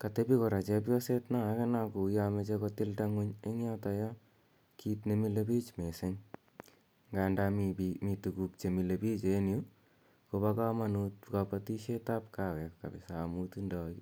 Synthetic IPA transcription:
katepikɔɾat͡ʃep̬jɔsetnaakenakujamet͡ʃekɔtɪltaŋuɲeŋjatajɔ | kʰitnemilepit͡ʃmesɪŋ | ŋɡandamimitukuk̚t͡ʃemilepit͡ʃeːnju | kopakamanut̚kapatiʃetapkawɛkka̰bɪsaːmutundɔki

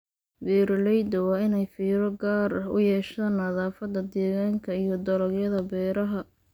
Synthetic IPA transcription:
bɛːɾlɛjd̪ɐwɑːɪnɛjfiːɾɔɡaːrʊ̰jɛːʃt̪ɐnɐðaːfɐd̪ɐd̪ɛːɣaːŋkʰɐijɔd̪ɔlɐɡjɐðɐbɛːɾɐɦɐ

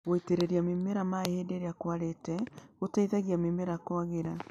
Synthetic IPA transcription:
ɣoiteɾeɾiamemeɾamaheːdeɾeakwaɾetɛotaiðaɣiamemeɾakwaɣeɾa

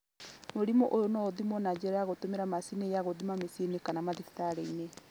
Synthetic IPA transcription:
moɾimoʔojonɔoðimɔnad͡ʑɛɾaaɣotomeɾamasinejaɣoðimamesienekanamaðitaɾeine

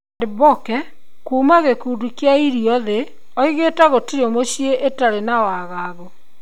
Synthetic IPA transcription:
debɔkɛ | kuːmaɣekuːdukjaiɾiɔðe | ɔiɣeːtaɣotiɾeomoɕjeʔetaɾenawaɣaɣɔ

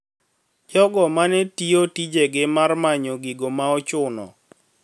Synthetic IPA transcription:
d͡ʒɔɡɔmanɛtiotid͡ʒeɡɪmarmaɲoɡiɡomaɔt͡ʃʊnɔ̰

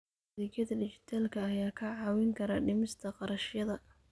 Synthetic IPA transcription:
ɪɡjɐðɐɖɪt͡ʃɪ̥t̪ʰaːlkʰɐːjaːkʰɐʕɑːwɪŋkʰɐɾaːɖɪmɪst̪ʰɐqɑɾɐʃjɐðɐ

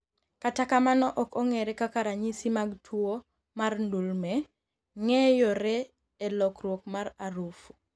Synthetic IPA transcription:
katakamanɔʔɔkɔŋɛɾɛkakaɾaɲisimaɡtʰwo | marndulmɛ | ŋɛjɔɾɛ | elɔkɾwokmaɾaɾufu

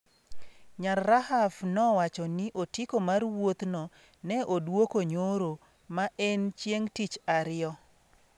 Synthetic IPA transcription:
ɲarːaɦafnɔwat͡ʃɔniʔotikomarwot̪nɔ | nɛʔodwokoɲoɾo | maʔɛnt͡ʃjeŋtit͡ʃaɾɪɔ

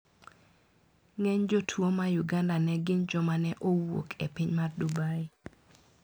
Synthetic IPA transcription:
ŋɛɲd͡ʒotʰwomajuɡandanɛɡɪnd͡ʒɔmanɛʔowo̰kʰḛpɪɲmardubai

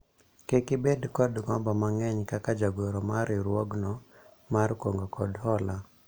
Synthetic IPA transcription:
kekɪbedkɔdɡɔmbɔmaŋɛɲkakad͡ʒaɡoɾɔmaɾɪɾwɔɡnɔ | markoŋɡokɔdhɔla

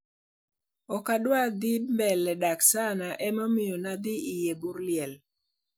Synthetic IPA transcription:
ɔkadwad̪ɪmbɛlːɛdaksanaʔɛmɔmɪjɔnad̪ɪijebuɾlɪɛl

